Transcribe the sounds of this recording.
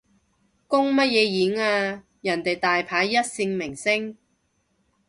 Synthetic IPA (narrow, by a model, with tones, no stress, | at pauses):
kʊ˥ŋmɐ˥t̚jɛː˨˧jiː˨˥naː˧ | jɐ˨˩nt̪e˨jt̪aː˨jpʰaː˨˧jːɐ˥t̚sɪ˧ŋmɪ˨˩ŋsɪ˥ŋ